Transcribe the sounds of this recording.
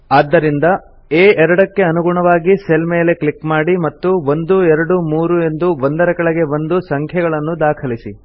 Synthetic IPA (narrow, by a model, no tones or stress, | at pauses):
aːd̪ːɐɾind̪ɐ | eːʔɛɾɐɽɐkːe̞ɐnuɡuɳɐʋaːɡiselme̞ːle̞kɭikmaːɽimɐt̪ːuʋo̞nd̪uɛɾɐɽumuːɾue̞nd̪uʋond̪ɐɾɐkɐɭɐɡe̞ʋo̞nd̪usɐŋkʰjɐɡɐɭɐnːud̪aːkʰɐlisi